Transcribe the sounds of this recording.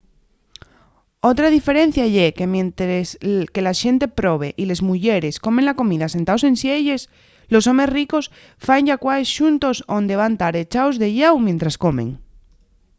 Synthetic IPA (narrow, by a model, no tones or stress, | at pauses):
o̞t̪ɾað̞ife̞ɾẽ̞n̟θjaʎekemjent̪eske̞laʃe̞nt̪e̞pɾo̞β̞e̞ʔile̞zmuʝeɾe̞sko̞menlako̞miðase̞nt̪aosẽ̞nsje̞ʎe̞s | lo̞so̞me̞sriko̞s | faeɲʝakwaesʃunt̪o̞sond̪e̞βant̪aɾe̞t͡ʃaozðe̞ʎawmjent̪ɾasko̞mḛŋ